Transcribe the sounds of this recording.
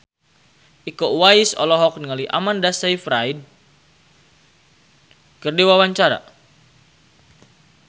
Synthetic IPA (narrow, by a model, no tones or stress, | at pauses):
ʔikɔwaisɔ̰lɔɦɔk̚nəŋaliʔa̰mandasajfɾaid | kərdiwawaɲt͡ʃaɾa̰